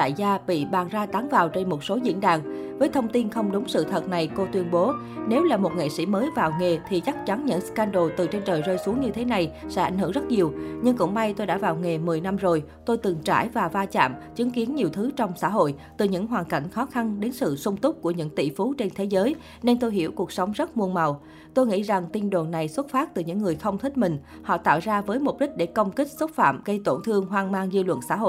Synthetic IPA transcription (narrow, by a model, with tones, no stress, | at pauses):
t̪a̰ː˧˨jzaː˧ɓḭ˧˨ɓaː˨˩nzaː˧t̪a˨˦ŋvaː˨˩wt͡ɕe˧nmo˨˩t̚so˨˦zḭ˧˥ənɗa̰ː˧˨ŋ | vəː˨˦jt̪ʰə˧wŋ͡mt̪i˧nxə˧wŋ͡mɗʊ˨˦ŋ͡msɨ̰˧˨t̪ʰə˨˩t̚na˨˩jko˧t̪wi˧ənɓo˨˦ | ne˨˦wlaː˨˩mo˨˩t̚ŋḛ˧˨sḭ˧˥məː˨˦jvaː˨˩wŋe˨˩t̪ʰi˨˩t͡ɕa˦˥k̚t͡ɕa˨˦nɲɨ̰˧˥ŋskaː˧nɗo˨˩t̪ɨ˨˩t͡ɕe˧nt͡ɕəː˨˩jzəː˧jsu˨˦əŋɲɨ˧t̪ʰe˨˦na˨˩jsɛ̰˧˥ʔa˧˩jŋ̟hɨ˧˩əŋzə˦˥t̚ɲi˨˩əwɲɨ˧ŋkʊ̰˧˥ŋ͡mma˧jt̪o˧jɗa̰ː˧˥vaː˨˩wŋe˨˩mɨ˨˩əjna˧mzo˨˩j | t̪o˧jt̪ɨ˨˩ŋt͡ɕa̰ː˧˩jvaː˨˩vaː˧t͡ɕa̰ː˧˨mt͡ɕɨ˨˦ŋki˨˦ənɲi˨˩əwt̪ʰɨ˨˦t͡ɕɔ˧wŋ͡msa̰ː˧˥˨ɦo̰˧˨jt̪ɨ˨˩ɲɨ̰˧˥ŋɦwaː˨˩nka˧˩jŋ̟xɔ˨˦xa˧nɗe˨˦nsɨ̰˧˨sʊ˧wŋ͡mt̪ʊ˦˥k͡p̚ku˧˩əɲɨ̰˧˥ŋt̪ḭ˧˨fu˨˦t͡ɕe˧nt̪ʰe˨˦zəː˨˦j | ne˧nt̪o˧jɦḭ˧˩əwku˨˩ək̚sə˨˦wŋ͡mzə˦˥t̚mu˧ənma˨˩w | t̪o˧jŋḭ˧˥za˨˩ŋt̪i˧nɗo˨˩nːa˨˩jswə˦˥t̚faː˦˥t̚t̪ɨ˨˩ɲɨ̰˧˥ŋːɨ˨˩əjxə˧wŋ͡mt̪ʰï˦˥k̟̚mï˨˩ŋ̟ | hɔ̰˧˨t̪a̰ː˧˨wzaː˧vəː˨˦jmo˨˩t̚ɗi˦˥k̟̚ɗe˧˩kə˧wŋ͡mki˦˥k̟̚swə˦˥t̚fa̰ː˧˨mɣə˧jt̪o˧˩nt̪ʰɨ˧əŋɦwaː˧ŋmaː˧ŋzi˧lwə̰˧˨nsa̰ː˧˥ɦo̰˧˨